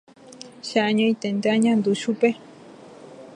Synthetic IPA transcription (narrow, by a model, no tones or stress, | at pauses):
ʃaʔaɲõit̪end̪aɲãnd̪uʃupe